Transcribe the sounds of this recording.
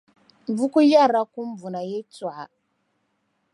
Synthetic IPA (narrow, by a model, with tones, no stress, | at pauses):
m˨vu˦ku˦ja˦˨ɾa˦ku˦m̩˦vu˨na˨je˦t͡swa˨